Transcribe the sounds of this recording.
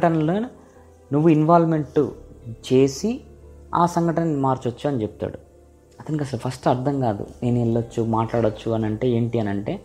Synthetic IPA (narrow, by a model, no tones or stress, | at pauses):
ʈɐnɐlo̞ːni | nuʋːuinʋaːlme̞ɳʈṵt͡ʃe̞ːsia̰ːsɐŋɡʱɐʈɐnɐnnːimaːɾt͡ʃɐt͡ʃːaːɐnit͡ʃeput̪a̰ːɽu | ɐt̪ɐnikiɐs̬ɐlupʰɐsʈɐɾd̪ʰʱɐŋkaːd̪ṵne̞ːnueɭːɐt͡ʃːumaːʈlaːɽɐt͡ʃːuɐnɐɳʈe̞ːe̞ːɳʈiɐnɐɳʈe̞ː